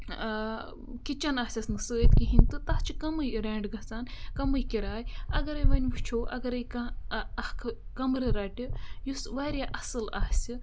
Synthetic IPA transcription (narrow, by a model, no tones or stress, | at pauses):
kit͡ʃɐnaːsʲɐsnɨsəːjt̪kiɦinʲt̪ɨt̪ɐht͡ʃikɐmɨjɾeːɳɖɡɐt͡saːnkɐmɨjkʲiɾaːjɐɡɐɾɐjʋɐnʲʋut͡ʃʰoːʔɐ̰ɡɐɾɐjkaɐhkʰkɐmɾɨɾaːʈʲijusʋaːɾʲjaʔɐsɨlaːsʲi